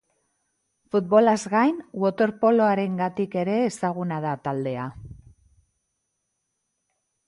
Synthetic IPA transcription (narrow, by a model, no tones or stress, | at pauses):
fut̪̚βo̞lazɣajnwo̞t̪o̞ɾpo̞loaɾe̞ŋɡat̪ike̞ɾe̞ːsaɣ̞unað̞at̪ald̪e̞a